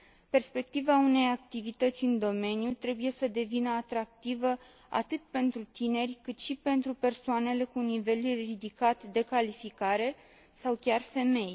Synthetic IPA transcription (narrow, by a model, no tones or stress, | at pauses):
pe̞rspe̞k̚t̪ivaune̞jak̚t̪ivit̪ət̪sʲɨnd̪o̞me̞njut̪ɾe̞buje̞səd̪e̞vinəat̪ɾak̚t̪ivə | a̰t̪ɨt̪pe̞nt̪ɾut̪ine̞rʲkɨt̪ʃipe̞nt̪ɾupe̞rsoane̞le̞kunive̞lrid̪ikat̪d̪e̞kalifikaɾe̞ | sawkʲarfe̞me̞j